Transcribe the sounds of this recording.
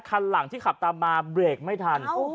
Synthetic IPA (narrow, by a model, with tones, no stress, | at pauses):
kʰa˧nla˩˦ŋt̪ʰiː˥˩kʰa˨˩p̚t̪aː˧maː˧bɾeː˨˩k̚ma˥˩jt̪ʰa˧n